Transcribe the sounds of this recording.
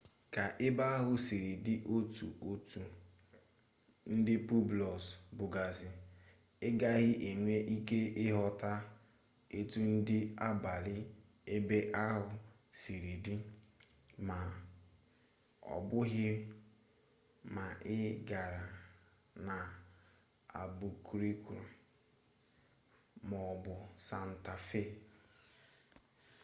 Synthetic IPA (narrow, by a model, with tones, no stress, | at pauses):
ka˨ʔɪ˦ba˦a˦ɦʊ˦si˨ɾi˨dɪ˦ʔo˦tṵ˨ʔo˦tu˨ | n̩˦dɪ˦pu˦blɔ˨sbʊ˨ɡa˨zɪ˨ | ɪ˦ɡa˦ɣɪ˦ʔe˨ŋʷe˦ʔi˦ke˦ʔɪ˦ɦɔ˦ta˦ | e˦tu˦n̩˦dɪ˦a˦ba˨lɪ˦ | e˦be˦ʔa˦ɦʊ˨ | si˨ɾi˨di˦ | ma˨ | ɔ̰˨bʊ˦ɣɪ˦ | ma˨ʔɪ˦ɡa˨ɾa˨ | na˨ | a̰˨bu˨kɾi˦kʷu˨ɾ | mɔ˨bʊ˨sa˨n̩˨ta˨fe˦